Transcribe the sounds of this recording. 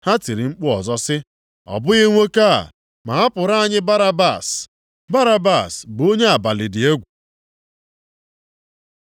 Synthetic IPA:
ha˦ti˨ɾi˨ŋ͡m̩˦k͡pʊ˦ɔ˨zɔ˦sɪ˦ | ɔ̰˨bʊ˦ɣɪ˦ŋʷe˦ka̰˦˨ | ma˨a˦pʊ˨ɾa˦˨ɲɪ˦ba˦ɾa˦ba˨s | ba˦ɾa˦ba˦˨sbo˦ɲe˦a˨ba˨lɪ˨dɪ˨e˦ɡʷu˨

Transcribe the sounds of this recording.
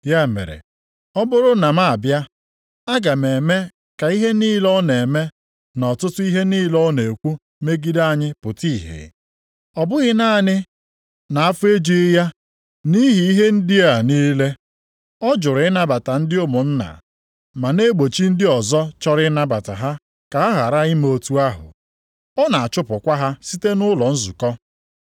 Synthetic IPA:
ja˦mḛ˨ɾḛ˨ | ɔ˦bʊ˦ɾʊ˦na˨ma˦a˨bja˦ | a˦ɡa˨me˨me˦ | ka˨i˦ɦe˦niː˦lɔ˦ne˨me˦ | nɔ˨tʊ˦tʊ˦i˦ɦe˦niː˦lɔ˦ne˨kʷu˦ | me˦ɡi˦da˦˨ɲɪ˦pʊ˨ti˦˨ɦḛ˨ | ɔ˨bʊ˦ɣɪ˦na˦˨nɪ˦ | na˨a˦fʊ˦e˦d͡ʒi˦ja˦ | ni˦ɦi˨i˦ɦe˦n̩˦dɪ˦a˦˨niː˦le˦ | ɔ˦d͡ʒʊ˨ɾɪ˨˦ɪ˦na˦ba˨ta˨n̩˦dɪ˦ʊ˦mʊ˨n̩˦na̰˨ | ma˨ne˦ɡ͡bo˨t͡ʃi˦n̩˦dɪ˦ɔ˨zɔ˦t͡ʃɔ˦ɾɪ˦na˦ba˨ta˨ɦa˦ | ka˨a˦ɦa˨ɾa˦i˦m˦o˨tu˦a˦ɦʊ̰˨ | ɔ˦na˨a˨t͡ʃʊ˦pʊ˨kʷa˦ɦa˦si˦te˦nʊ˦lɔ˨n̩˦zu˨kɔ˦

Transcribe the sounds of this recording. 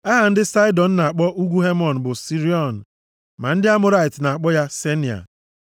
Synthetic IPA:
a˦ɦa˨n̩˦dɪ˦sa˦ɪ˦dɔ˨n̩˦na˨a˨k͡pɔ˦ʔu˦ɡʷu˦ɦe˦mɔ˨n̩˨bʊ˨si˦ɾi˦ɔ˨n̩˨ | ma˨n̩˦dɪ˦a˦mʊ˦ɾa˦ɪ˨tna˨a˨k͡pɔ˦ja˦se˦ni˨a̰˨

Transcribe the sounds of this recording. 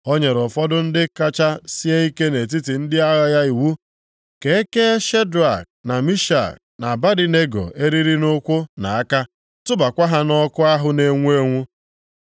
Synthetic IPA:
o˦ɲe˨ɾʊ˨fɔ˦dʊ˦n̩˦dɪ˦ka˦t͡ʃa˦si˦e˦i˦ke˦ne˨t̬i˦ti˨n̩˦dɪ˦a˦ɣa˦ja˦i˨wu˦ | ke˨˦ke˦ʃe˦da̰˨k̚na˨mi˦ʃa̰˨k̚ | na˨ba˦di˨ne˦ɡo̰˨e˦ɾi˦ɾi˦nʊ˦kʷʊ˦na˨a˦ka˦ | tʊ˦ba˨kʷa˦ɦa˦nɔ˦kʊ˦a˦ɦʊ˦ne˦ŋʷu˦e˦ŋʷu˦

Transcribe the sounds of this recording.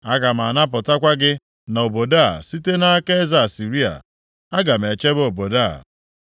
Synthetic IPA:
a˦ka˨m̩˨a˨na˦p̬ʊ˨ta˦kʷa˦ɡɪ˦ | na˨o˨bo˨da˦˨si˦te˦na˦ke˦za˨si˨ɾi˦a̰˨ | a˦ɡa˨m̩e˨t͡ʃe˦bo˨bo˨da˦˨

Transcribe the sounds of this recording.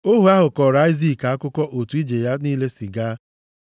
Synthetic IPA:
o˦ɦu˨a˦ɦʊ˨kɔ˨ɾa˦i˦zi˦˨ka˨a˦kʊ˦kɔ˦ʔo˨tu˨˦i˦d͡ʒe˨ja˦niː˦le˦si˨ɡaː˦

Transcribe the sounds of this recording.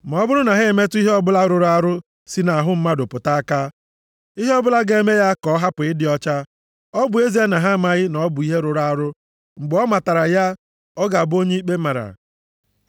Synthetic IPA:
m˨ɔ˦bʊ˦ɾʊ˦na˨ɦe˦e˨me˦tʊ˦i˦ɦe˦ɔ˦bʊ˦la˦ɾʊ˨ɾa˦ɾʊ˦ | si˦na˨a˨ɦʊ˦m̩˦ma˦dʊ˨pʊ˨ta˦a˦ka˦ | i˦ɦe˦ɔ˦bʊ˦la˦ɡe˦me˦ja˦kɔ˦ɦa˦pʊ˨ɪ˦dɪ˨ɔ˦t͡ʃa˦ | ɔ˦bʊ˨˦e˦zi˦e˦na˨ɦa˦˨ma˨ɣɪ˦nɔ˨˦bʊ˨i˦ɦe˦ɾʊ˨ɾʊ˦a˦ɾʊ˦ | ŋ͡m̩˨ɡ͡bɔ˦ma˨ta˨ɾa˨ja˦ | ɔ˦ɡa˨bo˦ɲe˦i˦k͡pe˦ma˨ɾa̰˨

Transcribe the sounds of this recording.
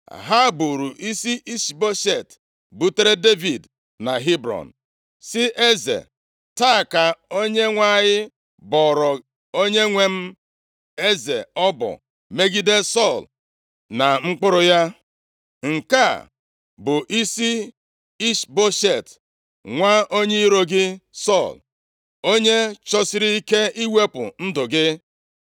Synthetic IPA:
ɦa˦bu˨ɾu˨ʔi˦si˦ʔi˦ʃbo˦ʃe˨t | bu˦te˦ɾe˦de˦vi˨d | na˨ɦi˦bɾɔ̰˨n˨ | sɪ˦ʔe˦zḛ˨ | ta˦˨ka˨o˦ɲe˦ŋʷa˦˨ɲɪ˦ | bɔ˨ɾɔ˨ | o˦ɲe˦ŋʷe˦m̩˦ | e˦ze˨ɔ˦bɔ̰˨ | me˦ɡi˦de˦sɔ˦˨l | na˨ŋ͡m̩˦k͡pʊ˦ɾʊ˨ja˦ | ŋ̩˨ka˦˨ | bʊ˨ʔi˦si˦ | i˦ʃbo˦ʃe˨t | ŋʷa˦o˦ɲe˦i˦ɾo˨ɡɪ˦sɔ˦˨l | o˦ɲe˦t͡ʃɔ˦sɪ˦ɾi˦i˦ke˦i˦we˦pʊ̰˨n̩˦dʊ˨ɡɪ˦

